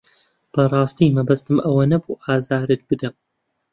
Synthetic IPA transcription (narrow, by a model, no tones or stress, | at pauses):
b̥ɐrˤɑːst̪iːmɐbɐst̪ɨmʔɐwɐnɐbuːʔaːzaːɾɨt̪̚bɨd̪ɐm